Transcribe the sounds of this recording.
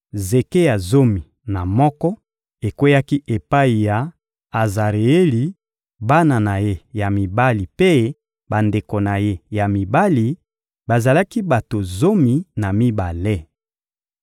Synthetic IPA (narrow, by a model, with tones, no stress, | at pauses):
ze˨ke˦ja˨zo˦mi˨ | na˨mɔ˦kɔ˦ | e˨kwe˦ja˦ki˦ʔe˨pa˦i˨ja˨ | a˨za˨ʁe˨e˦li˨ | ba˦na˨na˨je˦ja˨mi˨ba˦li˨pe˦ | ba˨nde˨ko˨na˨je˦ja˨mi˨ba˦li˨ | ba˨za˨la˦ki˦ba˨to˨zo˦mi˨na˨mi˦ba˨le˦